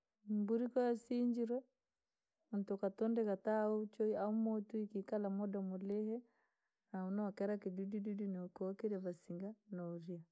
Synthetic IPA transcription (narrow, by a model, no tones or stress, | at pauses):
mbuɾikɔjasiɲd͡ʒiɾɛ | untokatɔndɛkataot͡ʃɔiaumotuikikalamɔdamolɛhɛ | naunɔkɛɾakidudududunikokiɾɛβasiŋɡanɔɾia